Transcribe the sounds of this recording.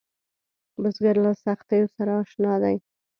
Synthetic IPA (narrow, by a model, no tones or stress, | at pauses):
bəsɡaɾlasaxt̪ejosaɾaːʃnɑd̪aj